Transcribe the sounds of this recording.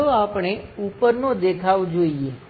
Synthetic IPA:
oapɳ̃eupəɾnod̪ekʰaʋd͡ʒoie

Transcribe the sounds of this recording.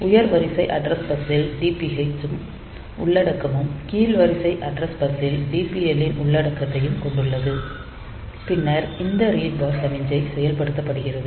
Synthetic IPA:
ʊjɐɾʋɐɾɪsɐɪʔɐɖɾɐsbɐsɪlɖiːpiet͡ʃɯm | ʊɭːɐɽɐkːɐmɯmkiːlʋɐɾɪsɐɪʔɐɖɾɐsbɐsɪlɖiːpiɛlːɪnʊɭːɐɽɐkːɾɐt̪ːɐjɯmkɔɳɖɯɭːɐðɯ | pɪnːɐɾɪnd̪ɐɾiːʈ̚baːɾsɐmɪɲd͡ʒɐɪsɛjɐlpɐɽɯt̪ːɐpːɐɽɯɣɪrɐðɯ

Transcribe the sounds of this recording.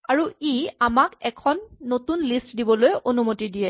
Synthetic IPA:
aɹuiamakɛkʰɔnːotunlistdibɔlojʔonumotidijɛ

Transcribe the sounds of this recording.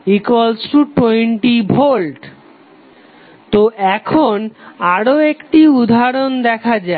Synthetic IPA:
ikwalsɾuʈwojɳʈibʱolʈ | t̪oʔɛkʰonaɾoekʈiud̪ʱaɾond̪ɛkʰad͡ʑa

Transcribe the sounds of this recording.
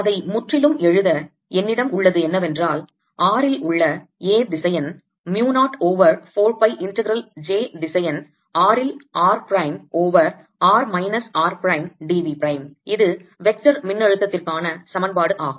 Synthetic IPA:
ɐðɐɪmʊʈrɪlɯmɛɻɯðɐ | ɛnːɪɽɐmʊɭːɐðɯɛnːɐʋɛndraːl | ʔaːɾɪlʔʊɭːɐeːd̪ɪsɐjɐn | mjuːnaːʈoːʋɐɾfoːɾpɐɪʔɪɳʈɐɡɪɾɐld͡ʒeːd̪ɪsɐjɐn | aːɾɪlaːɾpɾɐɪmoːʋɐɾ | aːɾmɐɪnɐsaːɾpɾɐɪmɖiːʋipɪɾɐɪmɪðɯʋɛk̚t͡ʃɐɾmɪnːɐɻɯt̪ːɐt̪ːɪrkaːnɐsɐmɐnbaːɽɯʔaːɣɯm

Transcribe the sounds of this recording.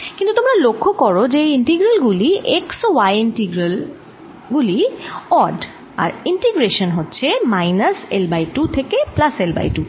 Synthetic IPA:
kint̪utʊmɹalokʰːɔkɔɹɔd͡ʑeejintiɡɹalɡuliʔeksowajintiɡɹal | ɡuliɔd | a̰ɹintiɡɹeʃɔnɦotːsʰɛmajnaselbajtut̪ʰekeplaselba̰jtu

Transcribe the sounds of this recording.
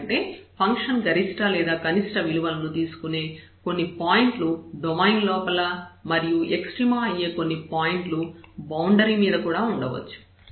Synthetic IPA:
ɳʈe̞ːpʰɐŋkʂɐnɡɐɾisʈalɛːd̪aːkɐniʂʈɐʋiliʋɐlɐnut̪iːsu̥kune̞ː | ko̞nːipaːjiɳʈluɖɔmɐjnlɔːpɐlɐmɐɾijueksʈɾiːmaːɐjːe̞ːko̞nːipaːjiɳʈlubɐwɳɖɐɾiːmiːd̪ɐkuːɽaːuɳɖɐʋɐ̰t͡ʃːu̥

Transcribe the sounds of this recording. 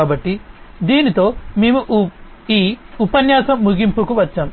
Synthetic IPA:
aːbɐʈːid̪iːnit̪o̞ːmeːmuʔ | iːupɐnjaːsɐmːuɡimpukuʋɐt͡ʃːaːm

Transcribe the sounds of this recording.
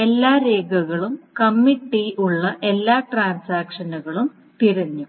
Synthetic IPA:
e̞lːaːɾeːɡɐɣɐɭumkɐmːiʈːiuɭːɐʔe̞lːaːʈraːnsaːkʂɐnuɣɐɭum | t̪iɾɐɲːu

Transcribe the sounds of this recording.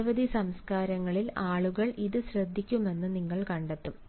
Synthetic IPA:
ʋɐd̪ʱisɐmskaːɾɐŋːɐɭilaːɭuɣɐɭiðɨɕrɐd̪ʱːikʲːume̞nːɨniŋːɐɭkɐɳɖet̪ːum

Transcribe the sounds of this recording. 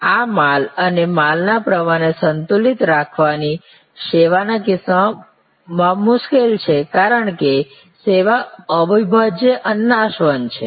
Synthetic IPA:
amalənemalnapɾəmaɳ̃esənt̪ulit̪ɾakʰʋani | ʃeʋanakɪsa | mãmʊʃkelt͡ʃʰekaɾəɳke | seʋaəbibʱad͡ʒeʔənːaʃʋənt͡ʃʰḛ

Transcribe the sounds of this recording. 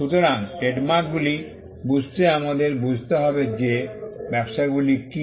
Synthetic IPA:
ʃut̪oɾaŋɖeɖmaɾk̚buli | bud͡ʑʱt̪eamad̪eɾbud͡ʑʱt̪eɦɔbed͡ʑebɛbʃaeɡuliki

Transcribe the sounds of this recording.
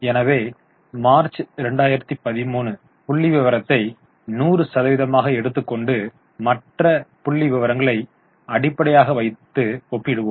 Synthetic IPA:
ɛnɐʋeː | maːɾt͡ʃɾɛɳɖaːjɪɾɐt̪ːipɐðɪmuːnɯ | pʊɭːɪʋɪʋɐɾɐt̪ːɐɪ | nuːrɯsɐðɐʋɪðɐmaːɣɐɛɽɯt̪ːɯkːɔɳɖɯ | mɐʈrɐpʊɭːiʋɪʋɐɾɐŋɡɐɭɐɪ | ɐɽɪpːɐɽɐjaːɣɐʋɐɪt̪ːɯɔpːɪɽɯʋomm

